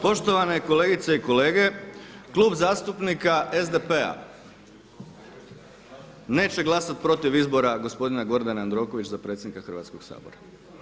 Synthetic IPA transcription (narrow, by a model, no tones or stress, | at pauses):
po̞ʃt̪o̞ʋane̞ko̞le̞ːɡit̪se̞iko̞le̞ːɡe̞klˠuːbzaːst̪upnikaʔe̞zd̪e̞pe̞a̰ | ne̞ːt͡ɕe̞ɡlˠasat̪̚pɾo̞t̪iʋizbo̞ɾaɡo̞spo̞d̪inaɡo̞ɾd̪anand̪ɾo̞ko̞ʋit͡ɕzapɾet̪sʲjed̪nikaxr̩ʋa̰t̪sko̞ɡsa̰ːbo̰ɾa